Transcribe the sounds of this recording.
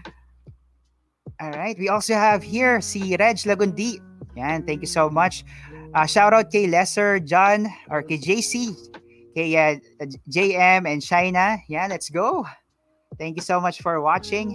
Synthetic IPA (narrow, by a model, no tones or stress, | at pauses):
ʔɔlɹaɪt̪̚wiʔɔlsohævhiɹsiɾɛd͡ʒlɐɡʊnd̪i | janθæ̃ŋkjusomʌt͡ʃʔɐʃawɾawt̪̚kejlɛsɛɹd͡ʒanʔɔɹkejd͡ʒejsi | kejɐ | d͡ʒejɛmɛ̃nt͡ʃajnɐjanlɛt̪sɡoʊ | θæ̃ŋkjusoʊmʌt͡ʃfɔɹwɑt͡ʃɪ̃ŋ